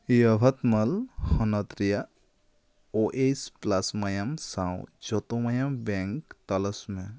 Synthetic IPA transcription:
jɐbʱɐt̪mɐlhɐnɐt̪ɾija | oʔesplɐsmɐjɐmsãːwd͡ʒɔt̪omɐjɐmbẽŋkt̪ɐləsmẽ

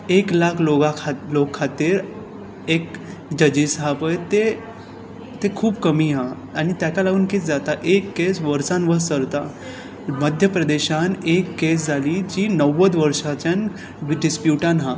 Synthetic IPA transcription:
eklakʰloɡakʰalokʰːat̪iːɾ | ek | d͡ʑəd͡ʑisɦapəjt̪e | t̪ekʰuːbkəmiːɦa | aɽ̃it̪jakalaɡuːnkiːt͡sd͡zat̪aʔekːesʋəɾsãnʋəɾsəɾt̪a | məd̪ʱjəpɾəd̪eɕanekːes̬d͡zʱaliːd͡ʑiːnəʋəd̪ʋəɾʂat͡ɕjãn | ɖispjuʈãnɦa

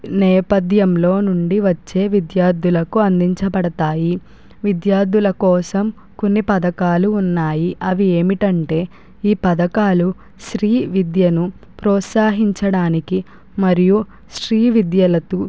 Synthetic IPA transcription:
nɛːpɐd̪ʱjɐmlo̞ːnuɳɖiʋɐt͡ʃːe̞ːʋid̪jaːɾd̪ulɐkuɐnd̪iɲt͡ʃɐpɐɽɐt̪aːji | ʋid̪jaːɾd̪ulɐkɔːsɐm | ko̞nːipɐd̪ɐkaːluːnːaːjiʔɐʋieːmiʈɐɳʈe̞ː | iːpɐd̪ɐkaːlu | ʃɾiːʋid̪jɐnu | pɾɔːt̪saːɦiɲt͡ʃɐɽaːniki | mɐɾiju | ʃɾiːʋid̪jɐlɐt̪u

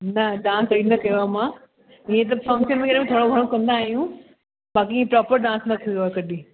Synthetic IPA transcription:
nɐɗãːnsɾinɐkɐjoamãː | ĩɦẽt̪̬ɐfɐ̃ŋkʃənmẽkɐɗmẽt̪ʰoːɽoɡʱɐɽ̃okɐ̃nd̪aːɦijũ | baːkĩːẽpɾaːpəɾɖãːsnɐk̪ʰioakɐɗi

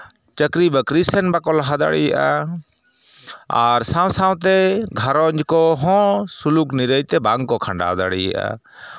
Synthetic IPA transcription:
t͡ʃəkɾibəkɾisɛnbakɔlɦad̪a̰ɽijaʔa | aɾsãw̃sãw̃t̪ɛɡʱaɾɔɲd͡ʒkɔɦɔ̃sulukniɾəjt̪ɛbaŋkɔkʰaɳɖa̰d̪a̰ɽḭja̰ʔa̰

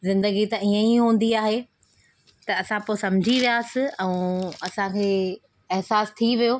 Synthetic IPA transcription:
zɪ̃nd̪əɡit̪ɐiə̃iɦũːn̆d̪iaːɦe | t̪ɐɐsãpoːsɐ̃md͡ʑʱiʋijaːsɪ̆ɛ̃ũɐsãkʰeː | ɛɦsaːst̪ʰiʋijoː

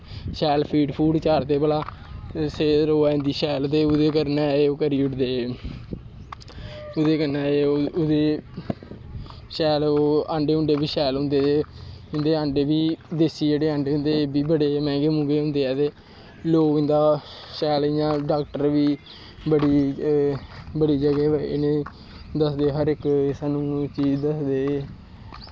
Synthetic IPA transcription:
ʃɛːlpʰiːɖpʰuːɖt͡ʃaːɾt̪eːpəlaːseːɾoːɛːɪ̃nd̪iːʃɛːlt̪eːʊd̪eːkəɾnɛːeːoːkəɾiːʊʈd̪eː | ʊd̪eːkəɾnɛːeːʊd̪eː | ʃɛːloːaɳɖeːʊɳɖeːbiːʃɛːlɦʊ̃nd̪eːeːɪ̃nd̪eːə̃ːɳɖeːbiːd̪eːsiːd͡ʒeːɽeːə̃ːɳɖeːɦʊ̃nd̪eːbiːbəɽeːmɛ̃ːɡeːmũːɡeːɦʊ̃nd̪eːɛːt̪eː | loːɪ̃nd̪aː | ʃɛːlɪjãːɖaːkʈəɾʋiː | bəɽiː | bəɽiːd͡ʒəɡeːɪ̰nẽː | d̪əsd̪eːɦəɾɪksaːnũːt͡ʃiːd͡ʒd̪əsd̪eː

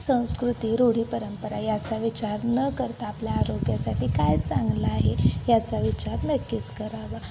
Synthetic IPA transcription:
sə̃w̃skɾut̪iːɾoɽ̤iːpəɾəmpəɾajat͡saʋit͡ɕaɾnəkəɾt̪aːpljaːɾoɡjasaʈiːkajt͡sãŋɡlaːɦejat͡saʋit͡ɕaɾməkːit͡skəɾaʋa

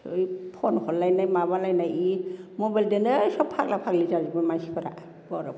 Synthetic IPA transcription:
ɯjpʰɔnkʰɔnlajnajmabalajnajimɔbajldenɯsɔpʰːak̚lapʰak̚lizad͡ʒibamajsikʰɔɾa̰ | bɔɾa

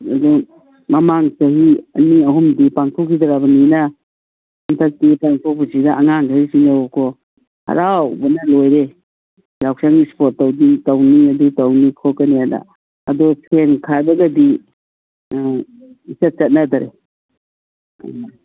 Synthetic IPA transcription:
ɐ̰dɔ | mɐmaŋsɐɦiɐniɐɦumdipaŋtʰɔkʰidaɾabɐnina | antʰak̚tipaŋtʰɔpusidaaŋaŋkʰaisinaɔkʰɔ | hɐ̰ɾawbɐnɐlojɾe | ɾawksaŋispot̚ːawditɐwniɐdutɐwnikʰɔkaniana̰ | ɐdɔsʰenkʰadɐɡɐdi | isat̚t͡ʃɐt̚nadaɾḛ

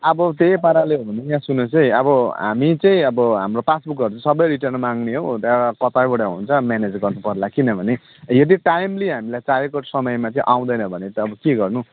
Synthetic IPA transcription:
ʌbʌt̪epaɾaleɦobʱʌnejãsunosʌjʌbʌɦa̰mit͡sʌĩʌbʌɦamropasbukʌɾut͡sʌĩsʌbʌjɾiʈʌrnmaŋneɦokʌt̪abuɽaɦuunt͡sʰʌmjaned͡zɡʌrnupʌrlakinʌbʱʌne | jʌd̪iʈajmliɦamilajt͡sajekoʈsʌmʌjmat͡sʌĩʔaw̃d̪ʌjnʌbʱʌnet̪ʌːbʌkeɡʌrnu

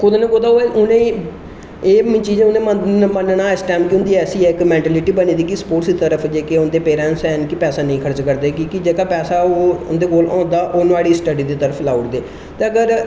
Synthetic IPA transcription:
kʊd̪ẽːnẽkʊd̪aːoɛʔʊnẽː | eːmĩːt͡ʃiːd͡ʒʊnẽːməmənnaːɪsʈɛːmkɪʊnd̪iːɛːsiːɛːɪkmɛ̃ːɳʈɛːlɪʈiːbəniːd̪iːkɪspoːʈsd̪iːt̪əɾəfʰd͡ʒeːkeːʊnd̪eːpeːɾɛ̃ːnsɛːnkɪpɛːsaːnə̃ĩːkʰəɾt͡ʃkəɾd̪eːkikɪd͡ʒeːkaːpɛːsaːoːʊnd̪eːɡoːlɔ̃ːnd̪aːʔoːnaːɽiːsʈəɖiːd̪iːt̪əɾəpʰlaːuʈd̪eː | t̪eːəɡəɾ

